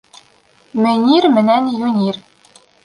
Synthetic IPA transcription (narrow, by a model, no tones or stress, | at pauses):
mɘnʲiɾmɘ̆nænjunʲir